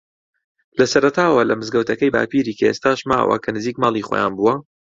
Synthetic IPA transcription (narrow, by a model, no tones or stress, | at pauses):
lɐsɐɾɐt̪ʰaːwɐlɐmɨzɡɐwt̪ʰɐkɐjba̰ːpiːɾiːkʰɐḛːst̪aːʃma̰ːwɐ̰kʰɐnɨziːkmɑːlˠiːχoːja̰ːnbuwɐ